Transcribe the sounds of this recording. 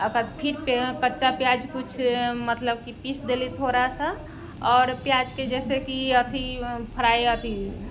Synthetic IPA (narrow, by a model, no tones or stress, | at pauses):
əkəɾpʰiɾpkətːʃapjad͡ʒkut͡ʃʰmət̪ləb̚kipisd̪elit̪ʰoɾasa | ɔːɾpjad͡ʒked͡ʒɛːsekiət̪ʰipʰəɾaeət̪ʰi